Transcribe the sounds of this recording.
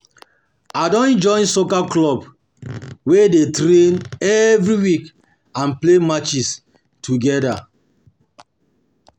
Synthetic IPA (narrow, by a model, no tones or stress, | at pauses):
adɔ̃nd͡ʒɔ̃ɪ̃nsokaklɔb | wedetɾẽnɛvɾiwik | ãnplemat͡ʃis | tʰuɡɛda